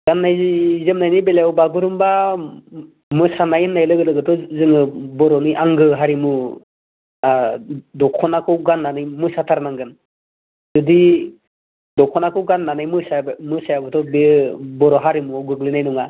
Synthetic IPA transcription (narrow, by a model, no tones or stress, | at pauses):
ɡ̥anːajzizɯmnajnibelawbaɡuɾɯmba | mɯsanajɯnːajlɯɡɯlɯɡɯtʰɔzɯŋɯbɔɾɔnɯjʔaŋɡɯɦaɾimu | adɔkʰɔnakʰɯwɡanːanɯjmɯsatʰaɾnaŋɡɯn | zɔdi | dɔkʰɔnakʰɯwɡanːanajmɯsamɯsajabɯtʰɔbebɔɾɔɦaɾimuɡɯɡlinajnɔŋa